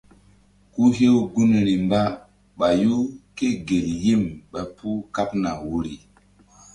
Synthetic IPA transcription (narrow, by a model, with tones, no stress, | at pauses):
ku˦ɦe˦wɡu˦n˨ɾi˨mba˦ | ɓa˨ju˦ke˦ɡe˨lji˦˨mɓa˨pʰu˦ka˦pna˨wu˦ɾi˨